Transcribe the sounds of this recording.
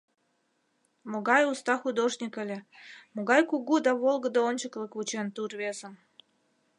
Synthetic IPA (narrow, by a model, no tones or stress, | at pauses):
moɣɑjust̪ɑxud̪oʒnʲikə̆lʲemoɣɑjkuɣud̪ɑβolˠɣəd̪əonʲt͡ɕəkləkβut͡ɕent̪urβezə̆n